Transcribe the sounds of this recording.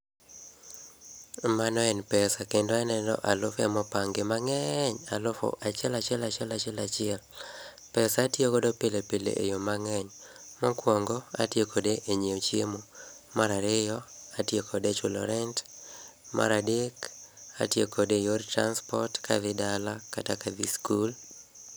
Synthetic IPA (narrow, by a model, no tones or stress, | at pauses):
manɔɛnpɛsakendoɛnɛdɔ̰ʔalʊfɛmɔpaŋɡemaŋɛɲalʊfo̰ʔat͡ʃɛlat͡ʃɪɛlat͡ʃɛlat͡ʃɪɛlat͡ʃɪɛl | pɛsatjekodopɪlepelḛʔḛjomaŋɛɲmɔkwɔŋɡɔa̰tjekʰodeʔeɲeot͡ʃjemomaɾaɾɪjɔatjekʰodet͡ʃʊlɔɾɛnt | mʔa̰ɾadeka̰tjekʰodejortɾanspɔrtkʰa̰ðɪdalakatakaðiskul